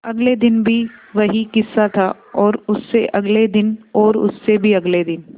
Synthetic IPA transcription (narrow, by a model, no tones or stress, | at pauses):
ɐɡled̪ɪnbʱiʋɐɦikɪsːat̪ʰa | ɔːɾʊsːeʔɐɡled̪ɪnɔːɾʊ̰sːebʱiɐɡled̪ɪn